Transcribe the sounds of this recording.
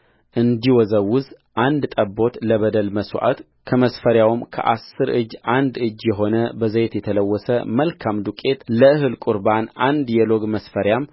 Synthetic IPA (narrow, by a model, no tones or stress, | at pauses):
ʔɨnd̪iwɔzəwʊz | ʔand̪t̪ʼəbːo̞t̪ləβəd̪əlməswʔa̰t̪ | kʰəməsfəɾjawmkʰə̰ʔasːɨɾɨd͡ʒʔand̪ɨd͡ʒːjɛɦo̞nəbəzəjet̪jɛt̪ʰələwːɔsəməlkʰamd̪ukʼe̞t̪ləɨhɨlkʼuɾbanʔand̪jɛlo̞ɡməsfəɾjam